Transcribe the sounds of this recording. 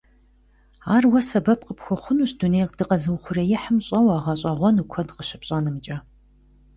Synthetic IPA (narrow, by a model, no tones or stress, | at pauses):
aːrwɐsɐbɐp̚qəpxʷɔχʷʊnuɕdunejqd̥ɨqʼɐzɨwχʷʊrejɪħəmɕʼɐwaːʁɐɕʼɐʁʷɔnukʷʰɔdqəɕɪpɕʼaːnɨmɨt͡ʃʼɐ